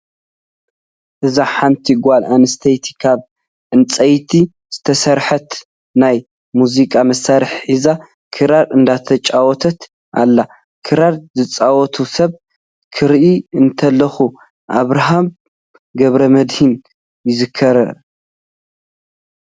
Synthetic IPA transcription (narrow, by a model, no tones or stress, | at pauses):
ʔɨzaħant̪ʰiɡʷalanɨst̪ʰɐjt̪ʰi̥kʰaβ | ʕɨnt͡sʼɐjt̪ʰi | z̥ɨt̪ʰɐsɐɾħɐt̪ | naj | muzikʼamɐsaɾɨħħiza | kʰɨɾaɾʔɨnd̪at̪ʰɐt͡ʃʼawɔt̪ʰɐt̪ | ʔa̰lːa | kʰɨɾaɾzɨt͡sʼawɔt̪ʰusɐβ | kʰɨɾʔiɨnt̪ʰɐlːɐxu | ʔaβɾaɦam | ɡɐβɾɐmɐd̪hin | jɪzɨkʰːɐɾɐ